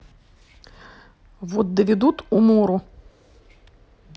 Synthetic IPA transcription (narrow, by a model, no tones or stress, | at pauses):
vot̪̚d̪əvʲɪd̪ut̪umuɾʊ